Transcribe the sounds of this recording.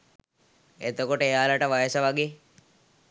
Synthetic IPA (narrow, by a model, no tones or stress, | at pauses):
et̪okoʈəejaːləʈəʋajəsəʋaɡeː